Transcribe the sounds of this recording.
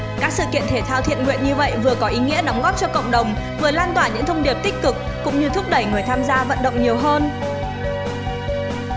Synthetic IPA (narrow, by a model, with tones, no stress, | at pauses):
kaː˦˥k̚sɨ̰˧˨kḭ˧˨ənt̪ʰe˧˩t̪ʰaː˧wt̪ʰḭ˧˨ənŋwḭ˧˨ənɲɨ˧və̰˧˨jvɨ˨˩əkɔ˨˦ʔi˨˦ŋḭ˧˥əɗɔ˨˦wŋ͡mɣɔ˦˥p̚t͡ɕɔ˧kə̰˧˨ŋ͡mɗə˨˩wŋ͡m | vɨ˨˩əlaː˧nt̪waː˧˩ɲɨ̰˧˥ŋt̪ʰə˧wŋ͡mɗi˨˩əp̚t̪ï˦˥k̟̚kɨ˨˩k̚ːʊ̰˧˥ŋ͡mɲɨ˧t̪ʰʊ˦˥k͡p̚ɗə˧˩jŋɨ˨˩jt̪ʰaː˧mzaː˧və̰˧˨nɗə̰˧˨wŋ͡mɲi˨˩əwɦəː˧n